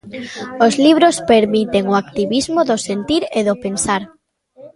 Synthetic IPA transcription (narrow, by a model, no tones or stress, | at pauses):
ozliβ̞ɾospeɾmit̪eŋoak̚t̪iβizmoðʊsent̪iɾeðʊpensaɾ